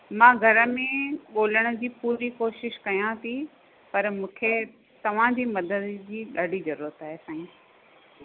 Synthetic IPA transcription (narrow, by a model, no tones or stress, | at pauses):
mãːɡʱɐɾəmẽɠoːləɽ̃ʊ̆d͡ʑiːpuːɾikoːʃɪʃkɐjãt̪ʰi | pɐɾmũːkʰe | t̪ɐʋ̤ãd͡ʑiːmɐd̪əd̪d͡ʑiːɗaːɖizɐɾuːɾət̪aːɦesãːĩː